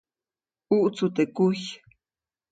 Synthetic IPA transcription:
uʔt͡sʊt̪ekuj

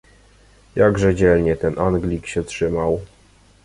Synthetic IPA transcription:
jaɡʐɛd͡ʑɛlɲɛt̪ɛnʔanɡlʲikɕɛtʂɘmaw

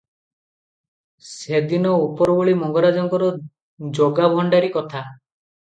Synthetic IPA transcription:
sed̪inɔupɔɾɔbɔɭimɔŋɡɔɾad͡ʒɔŋkɔɾɔ | d͡ʒoɡabʱɔɳɖaɾikɔt̪ʰa

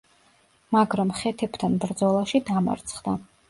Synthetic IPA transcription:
maɡɾamχɛt̪ʰɛbt̪ʰanbɾd̪zɔlˠaʃid̪ama̰ɾt̪sʰχd̪a

